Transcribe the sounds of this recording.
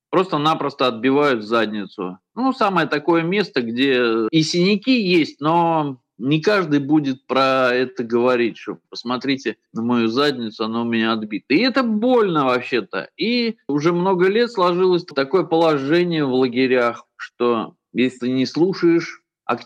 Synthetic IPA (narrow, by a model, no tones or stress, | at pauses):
pɾo̞st̪ənapɾəst̪əɐd̪̚bʲɪvajʊt̪zadʲnʲɪt̪sʊ̰nusaməjət̪ɐko̞jəmʲe̞st̪əɡdʲeɪsʲɪnʲɪkʲijesʲtʲno̞ | nʲɪkaʐd̪ɨjbudʲɪt̪̚pɾɐɛt̪əɡəvɐɾʲitʲʂt̪o̰pəsmɐt̪ɾʲitʲɪnəmɐjuzadʲnʲɪt̪sʊɐnomʲɪnʲaɐd̪bʲit̪əɪɛt̪əbo̞lʲnəvɐpɕːe̞t̪ə̰iʊʐɛmno̞ɡəlʲe̞t̪slˠɐʐɨlˠəsʲt̪ɐko̞jəpəlˠɐʐɛnʲɪjəvlˠəɡʲɪɾʲaxʂt̪o̞ | jesʲlʲɪlt̪ɨnʲɪslˠuʂəjɪʂ | ɐ̰k